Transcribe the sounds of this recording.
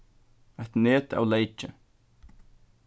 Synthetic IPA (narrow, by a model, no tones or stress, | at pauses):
ɛht̪neːt̪a̰wlejt͡ʃɪ